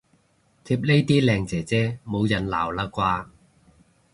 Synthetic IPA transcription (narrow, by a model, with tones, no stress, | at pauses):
t̪ʰi˧p̚le˥jt̪iː˥lɛː˧ŋt͡sɛː˨˩t͡sɛː˥mo˨˧wjɐ˨˩nla̰ː˨˩wlaː˧kʷaː˧